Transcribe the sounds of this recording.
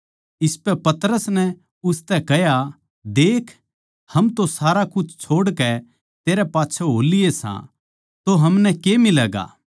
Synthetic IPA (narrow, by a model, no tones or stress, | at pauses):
ɪspɛpɐt̪əɾəsnɛ | ʊst̪ɛkɛja | d̪eːkʰ | hɐmt̪osaːɾakʊt͡ʃʰt͡ʃʰoːɽkɛ | t̪eːɾɛpaːtːt͡ʃʰoɦoːlɪjesã̰ | t̪oɦɐmnɛkeːmɪlɛːɡa̰ː